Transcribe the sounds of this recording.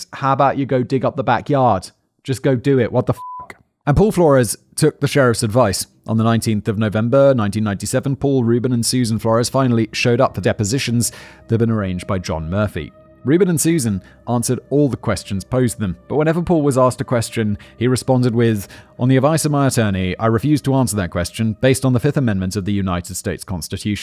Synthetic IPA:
haʊəbaʊt͡ʃɨɡoʊdɪɡʌp̚ðəbækjɑɹd̥ | d͡ʒ̥ʌsɡ̥oʊdɨɪʔwʔʌt̪̚ðəfʌk | ə̃npʰɔlˠflɔɹɨz̥ | tʰʊk̚ðɨʃɛɹɨfsɨdvaɪs | ʔn̩ðənãɪ̃ntʰĩnθʌvnoʊvɛ̃mbə˞nãɪ̃ntĩnːãɪntisɛvə̃n̩pʰɔlˠɹʉbɨ̃nə̃nsʉz̃n̩flɔɹɨz̥fãɪ̃nl̩ˠiʃoʊɾʌp̚ðədɛpɨzɪʃɨ̃n̩zðəvbɨ̃nə˞ẽɪ̃nd͡ʒbaɪd͡ʒɑ̰̃nmɜ˞fḭ | ɹʉbɨ̃nɨ̃nsʉzɨ̃n | ʔæ̃nsə˞ɾɔlˠðəkʰw̥ɛst͡ʃɨ̃n̩z̥pʰoʊzðə̃mb̥ʌt̚wə̃nɛvəpʰɔlˠwʌzæstɨkʰw̥ɛst͡ʃɨ̃niɹɨspɑ̃ndɨd̚wɪðʔə̃nðiɨdvaɪsʌvmaɪɨtʰɜ˞ñiaɪɹɨfjʉz̥tʰəæ̃nsə˞ðɨt̚kʰw̥ɛst͡ʃɨ̃nbeɪstn̩ðəfɪfθəmɛ̃nmɨ̃ntʌvðɨjʉnaɪɾɨd̥steɪtskʰɑ̰̃nstɨtʰʉʃ

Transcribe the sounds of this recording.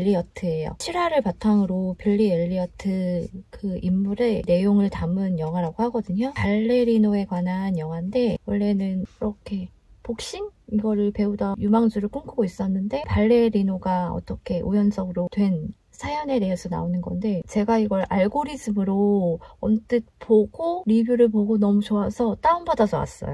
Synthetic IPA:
ʎːiʌtʰɯe̞jo̰t͡ɕʰiɾɦaɾɯɭpatʰaŋɯɾopiʎːieʎːiʌtʰɯkɯimːuɾe̞ne̞joŋɯɭtamɯnjʌŋɦwaɾaɡohaɡʌdɯɲopaɭːe̞ɾinoe̞kwanɦanjʌŋɦwande̞wʌɭːe̞nɯniɾʌkʰe̞ | pok̚ɕ͈iniɡʌɾɯɭpe̞udajumaŋd͡ʑuɾɯɭkʰoŋkʰɯɡois͈ʌnːɯnde̞paɭːe̞ɾinoɡaʌ̰t͈ʌkʰe̞ʔujʌns͈ʰʌɡɯɾotwe̞n | sʰajʌne̞deesʰʌna̰onɯnɡʌnde̞t͡ɕe̞ɡaiɡʌɾaɭɡoɾisɯmɯɾoʌnt͈ɯt̚poɡ̥oɾibjuɾɯɭpoɡonʌmut͡ɕoasʰʌt͈aumbadad͡ʑʌwa̰s͈ʌ̰jo

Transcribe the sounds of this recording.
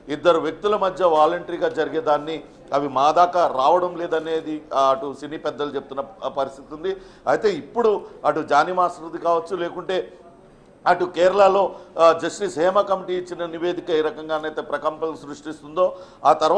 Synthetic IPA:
id̪ːɐɾuʋjek̚t̪ulɐmɐd̪ʱjɐʋaːlɐɳʈɐɾiɡaːd͡ʒɐɾiɡeːd̪aːnːi | ɐʋimaːd̪aːkɐɾaːʋɐɽɐmleːd̪ɐne̞ːd̪iɐʈusiniːpɛd̪ːɐlut͡ʃe̞but̪unːɐpɐɾist̪ʰit̪und̪i | ɐ̰jt̪e̞ːipːuɽuɐʈud͡ʒaːnimaːsɾud̪ikaːʋɐt͡ʃːule̞ːkuɳʈe̞ː | ɐʈukɛːɾɐɭɐlo̞ːd͡ʒɐʂʈiseːmɐkɐmiʈiːt͡ʃːinɐniʋe̞ːd̪ʱikɐiːɾɐkɐŋɡaːnɐjt̪eːpɾɐkɐmpɐɐmsɾuʂʈist̪und̪o̞ːaːt̪ɐɾʋ

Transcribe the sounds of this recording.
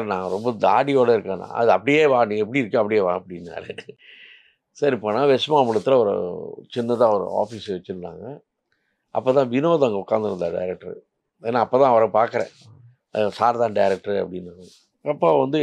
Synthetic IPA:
ɾnaːŋɡɐɾɔmbɐd̪aːɽɪjoːɽɐɪɾɯkːẽːnã̰ɐðɯɐpːɐɽɪjeːʋãːniːŋɡɐɛpːɐɽiɪɾɯkːʊ̃ɐpːɐɽɪjeːʋãːɐpːɐɽɪnːa̰ːɾɯ | sɐɾipːoːnaːʋɛsmãːmːɐɽɯt̪ːɯlɐʋɔɾɯ̰t͡ʃɪnːɐt̪ãːɐʋɔɾɯ̰a̰ːfiːsʋɛt͡ʃːɯɾɯna̰ːŋɡɐ | ʔɐpːoːt̪ãːʋɪnoːðɐŋɡɐʊkːaːnd̪ɪɾɐnd̪aɖɐ̰ɪɾɛk̚ʈɐɾ̰ | eːnːaːpːoːt̪ãːɐʋɐɾɐ̃paːɾkɐɾḛ̃ː | saːɾt̪ãːɖɐɪɾɛk̚ʈɐɾɐ̰pːɐɽɪnːaː | ɐpːoːʋɐnd̪ɯ

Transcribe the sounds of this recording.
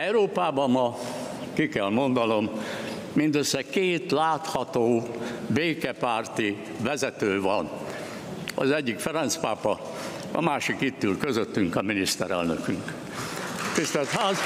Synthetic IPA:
ɛuɾoːpaːbɒmmɒ | kikɛlmo̞nd̪ɒno̞m | mind̪øsːɛkeːt̪laːt̪hɒt̪oːbeːkɛpaːrt̪i | vɛzɛt̪øːvɒn | ɒ̰zɛɟːikfɛɾɛnt̪spaːpɒ | ɒ̰maːʃikit̪ːylkøzøt̪ːyŋkɒminist̪ɛɾɛ̰lnø̰kyŋk | t̪ist̪ɛlt̪haːz

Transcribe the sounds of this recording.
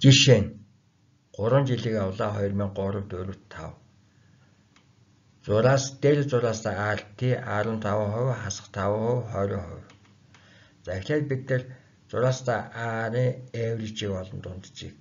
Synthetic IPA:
t͡ɕiʃeːŋ | ɢ̥ʊɾwə̆nt͡ɕiɮiːkawɮaːχɔjrmiːŋɢʊɾə̆kt̪uɾɘ̆wt̪ʰːa̰w | t͡sʊɾaːst̪eɾt͡sʊɾaːst̪ʰaːart̪ʰiːʔaɾə̆nt̪ʰawʊːχʊwχasə̥̆χt̪ʰawʊːχʊwχœːɾʲɔ̰ːŋχɔ̰w | t͡sæxʲɮeːt̪̚pit̪nɘ̆r | t͡sʊɾaːst̪ʰaːʔaɾiːŋewrit͡ɕiːkɔɮɞ̆nt̪ʊnt̪t͡ɕiːk̚

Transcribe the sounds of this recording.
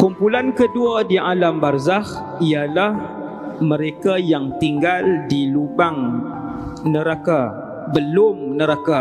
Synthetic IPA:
kumpulankəduadiʔalambarzah | ialah | məɾekajaŋt̪iŋɡaldilubaŋ | nəɾaka | bəlʊmnəɾaka

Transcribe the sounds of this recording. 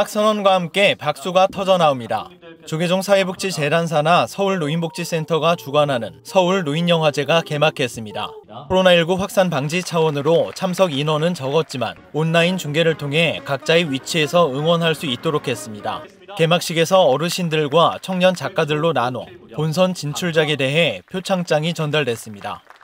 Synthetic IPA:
ak̚s͈ʌnʌnɡwahamk͈e̞pak̚s͈uɡatʰʌd͡ʑʌnaomɲida̰ | t͡ɕoɡed͡ʑoŋsʰaebuk̚t͡ɕ͈it͡ɕe̞ɾans̬ʰanasʰʌuɭnoinbuk̚t͡ɕ͈is͈e̞ntʰʌɡat͡ɕuɡanɦanɯnsʰʌuɭnoiɲjʌŋwad͡ʑe̞ɡake̞makʰe̞s͈ɯmɲida̰kʰoɾonaiɭɡuɸwak̚s͈anpaŋd͡ʑit͡ɕʰawʌnɯɾot͡ɕʰamsʰʌɡinʌnɯnt͡ɕʌɡʌt̚t͡ɕ͈ima̰nonːaint͡ɕuŋɡe̞ɾɯɭtʰoŋɦe̞kak̚t͡ɕ͈aiɥit͡ɕʰie̞sʰʌɯŋwʌnɦaɭs͈uit̚t͈oɾokʰe̞s͈ɯmɲida̰ | ke̞mak̚ɕ͈iɡe̞sʰʌʌɾɯɕʰindɯɭɡwat͡ɕʰʌŋɲʌnt͡ɕak͈adɯɭːonanwʌ̰pons̬ʰʌnt͡ɕint͡ɕʰuɭd͡ʑaɡe̞de̞ɦe̞pʰjot͡ɕʰaŋt͡ɕ͈aŋit͡ɕʌndaɭdwe̞s͈ɯmɲida̰

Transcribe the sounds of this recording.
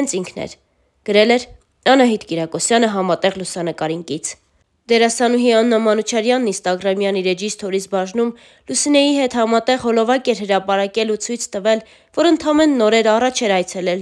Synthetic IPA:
nt͡sʰiŋkʰnɛ̰ɾ | ɡ̥əɾɛlɛɾ | ɑnɑɦit̪kiɾɑkɔsjɑnəɦɑmɑt̪ɛʁlusɑnəkɑɾiŋkit͡sʰ | d̪ɛɾɑsɑnuɦiɑnːɑmɑnut͡ʃʰɑɾjɑnːinst̪ɑɡɾɑmjɑniɾɛd͡ʒist̪ʰɔɾit͡sʰbɑʒnum | lusinɛjiɦɛt̪hɑmɑt̪ɛʁɦɔlɔvɑkɛɾɦəɾɑpɑɾɑkɛlut͡sʰujt͡sʰt̪əvɛl | vɔɾənt̪ʰɑmɛnːɔɾɛɾɑrɑt͡ʃʰɛɾɑjt͡sʰɛlɛl

